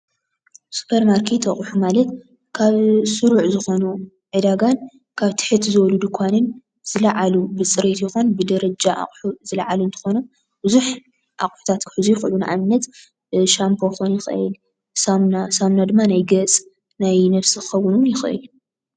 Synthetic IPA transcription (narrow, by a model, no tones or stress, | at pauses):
su̥pʰɐɾmaɾkʰet̪ɐχʼħumalɐt̪ | kʰaβsɨɾuʕzɨxo̞nu | ʕɨd̪aɡan | kʰaβt̪ʰɨ̥ħɨt̪ʰzɨwɔlud̪ɨkʷʰanɨn | z̥ɨlɐʕalubɨt͡sʼɨɾet̪jɪxonbɨd̪ɐɾɐd͡ʒaʔa̰χʼħuzɨlɐ̰ʕalunt̪ʰɨ̥xo̞nu | b̥ɨzuħ | ʔaχʼħu̥t̪ʰat̪kʰɨ̥ħɨzujxʔɨlunaʔaβnːɐt̪ | ʃampʰo̞xonjɪxɨɨ̰l | samnasamnad̪ɨmːanajɡɐt͡sʼ | najnɐβsikʰɨxɐwːɨnunjɪxʔɨ̰l